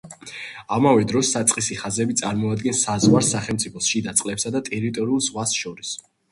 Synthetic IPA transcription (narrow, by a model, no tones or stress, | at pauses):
amavɛd̪ɾɔsːat̪sʼqʼisiχazɛbit̪sʼaɾmɔad̪ɡɛnsːazʁwaɾsaχɛlˠmt̪sʼipʰɔsʃid̪at̪sʼlɛpsad̪at̪ʼɛɾit̪ʼɔɾiulˠzʁwasʃɔɾis